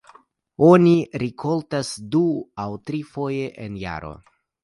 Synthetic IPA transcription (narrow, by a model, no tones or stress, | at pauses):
o̞niɾikʰo̞ltasduawtɾifo̞je̞ʔenja̰ɾo̞̰